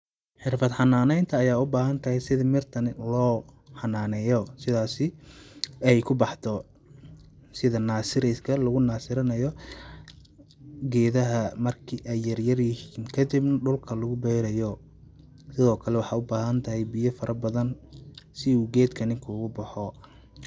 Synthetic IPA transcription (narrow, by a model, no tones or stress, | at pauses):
ħɪrfɐd̪ħɑnaːnɛjnt̪ʰɐːjaːʊbaːɦɐnt̪ʰɐhɛjsɪðɪmɪrt̪ʰɐnlɔːħɑnaːnɛjɔsɪðaːsɪ | ɛjkʰʊbɑħt̪ʰɔ | sɪðɐnaːsɪɾɪskʰɐlɐɣʊnaːsɪɾɐnɐjɔ | ɡɛːðɐɦɐmɐrkʰiʔɛjːɐrjɐrjɪhiːnkʰɐd̪ɪbnɐɖʊlkʰɐlʊɣʊbɛːɾɐjɔ | sɪðɔːkʰɐlɛwɑħɑːʊbaːɦɐnt̪ʰɐɦɛjbɪjɐfɐɾʔɐbɐðɐnsɪuːɡɛːd̪kʰɐnɪŋkʰuɣʊbɑħɔ